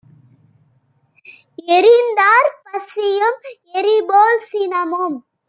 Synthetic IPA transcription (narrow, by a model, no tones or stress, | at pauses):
ɛɾɪnd̪aːɾpɐsɪjɯm | ɛɾiboːlsinɐmom